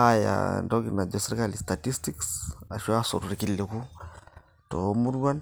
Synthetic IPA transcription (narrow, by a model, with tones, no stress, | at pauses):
a˦ja̰ndɔ˦ɡina˨d͡ʒɔ˨seɾka˦li˨sta˨ti˦stiksa˨ʃwa˦so̰˨ɾu˨ɾi˨ki˨le˨ku˦ | tomu˦ɾwa˦n